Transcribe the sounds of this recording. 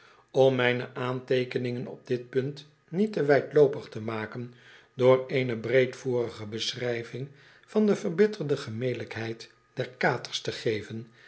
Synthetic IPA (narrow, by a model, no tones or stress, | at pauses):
ɔmːɛjnə̰ʔaːntejkənɪŋənɔ̰b̚dɪt̚pɵnt | nitəʋɛjtlowpəχtəmaːkən | dʊːreːjnəbrejtfuːrəχəbəsrɛjvɪŋ | vɑndəvərbɪtərdəχəmejdələkɦɛjt | d̥ɛɹkaːtəɹstəχejvən